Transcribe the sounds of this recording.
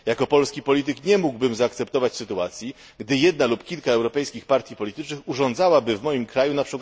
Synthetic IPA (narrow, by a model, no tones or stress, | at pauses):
jakɔpɔlskʲipɔlʲit̪ɘkɲɛmuɡbɘmzaːkt̪sɛp̚t̪ɔvat͡ɕsɘt̪uat̪sʲji | ɡd̪ɘjɛd̪nalupkʲilkaɛwɾɔpɛjskʲixpaɾt̪ʲjipɔlʲit̪ɘt͡ʂnɘxuʐɔnd̪zawabɘvmɔjimkɾajunapʂɘk